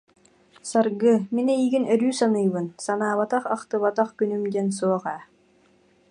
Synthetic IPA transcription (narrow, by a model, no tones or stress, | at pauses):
saɾɡɯminɛiɡinœɾyːsanɯjbɯnsanaːβat̪aχɑqt̪ɯβat̪aχkynymd̪ɛns̬uɔʁæː